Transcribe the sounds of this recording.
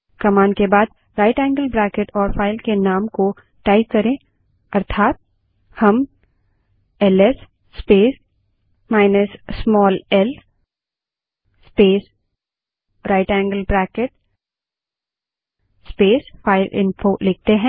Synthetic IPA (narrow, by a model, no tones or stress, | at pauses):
kɐmaːnkebaːd̪̚ | ɾaːɪʈɛ̃ːŋɡəlbɾɛːkɪʈɔːɾfaːɪlkenaːmko | ʈaːɪkkːɐɾẽ | ɐɾt̪ʰaːt̪̚ | hɐm | ɛlɛsː | peːs | maːɪnəsːmɔːlɛl | speːs | ɾaːɪʈɛ̃ːŋɡəlbɾɛːkeʈ | speːsfaːɪlʔɪ̰̃nfolɪk̚t̪eɦɛ̃ː